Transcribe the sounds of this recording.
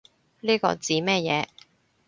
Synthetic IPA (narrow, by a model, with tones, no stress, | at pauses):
liː˥kɔ̰ː˧t͡siː˨˥mɛː˥jɛː˨˧